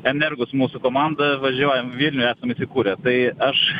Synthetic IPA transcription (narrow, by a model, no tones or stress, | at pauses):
ɛnʲɛrɡʊsmuːsʊkoːmɑnd̪ɐʋɐʒʲuɔjɛmʋʲilʲnʲʊæːsɐmiːsʲɪkuːɾʲɛt̪ɐɪɐʃ